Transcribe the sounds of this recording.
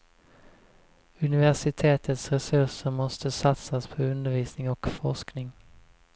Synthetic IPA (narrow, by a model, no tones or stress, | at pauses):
ɵnɪvæʂɪt̪ʰeːt̪ʰət̪sɾɛsɵʂəɾmɔst̪əsat̪saspʰɔɵnd̪əɾviːsnɪŋɔkfɔʂknɪŋ